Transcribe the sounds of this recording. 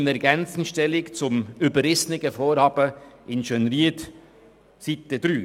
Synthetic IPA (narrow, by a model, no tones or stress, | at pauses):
nɛɾɡɛnt͡sn̩ʃtɛlɪkt͡sʊmybəɾɪsnɪɡəfoːɾhɑːb̥əɪnʃœnɾiət | sit̪ːəd̪ɾyː